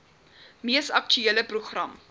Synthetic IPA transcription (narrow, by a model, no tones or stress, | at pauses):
miəsɐk̚t͡ʃyiələpruχrɐm